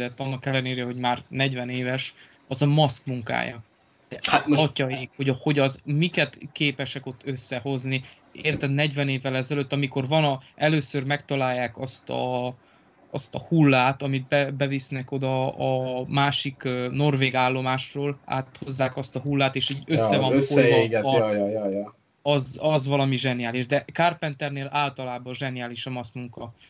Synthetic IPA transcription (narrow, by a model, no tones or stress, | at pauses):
ɛt̪ːɒnːɒkɛlːɛneːɾɛɦo̞ɟmaːrnɛɟvɛneːvɛʃ | ɒzɒmɒskmuŋka̰ːjɒ̰̥ | ɛaɒcɒjeːkho̞ɟho̞ɟɒzmikɛt̪keːpɛʃɛko̞t̪ːø̞sːɛho̞zni | eːrt̪ɛd̪nɛɟvɛneːvːɛlɛzɛløt̪ːɒmiko̞rvɒnɒɛløːsørmɛkt̪ɒlaːjːaːkɒst̪ɒ̰ | ɒst̪ɒhulːaːt̪ɒmid̪̚bɛbɛvisnɛko̞d̪ɒɒmaːʃikno̞rveːɡaːlːo̞maːʃroːla̰ːt̪ho̞zːaːkɒst̪ɒɦulːaːt̪eːʃiːɟøsːɛvɒmsoːɛeːɡɛjjj | ɒzɒzvɒlɒmiʒɛniaːliʒd̪ɛkaːrpɛnt̪ɛrneːlaːlt̪ɒlaːbɒʒɛnijaːliʃɒmɒsmuŋkɒ